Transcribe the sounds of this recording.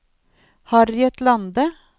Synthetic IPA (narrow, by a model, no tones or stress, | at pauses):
hɑːɾɛt̪lɑnd̪ə